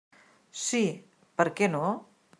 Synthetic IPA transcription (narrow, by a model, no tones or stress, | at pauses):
si | pəɾkɛno